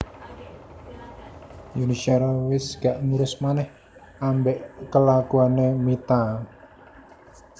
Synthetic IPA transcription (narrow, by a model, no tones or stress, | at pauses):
juniʃaɾawɪsɡ̥aʔŋuɾʊsmanɛh | ʔambɛʔkəlakuanemit̪a